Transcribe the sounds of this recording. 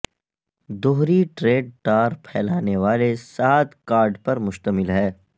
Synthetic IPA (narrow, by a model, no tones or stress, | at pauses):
d̪oɦɾiʈɾeːɖ̚ʈaːɾpʰɛːlaːneʋaːlesaːt̪kaːɾɖpɐɾmʊʃt̪əmɪlɦɛː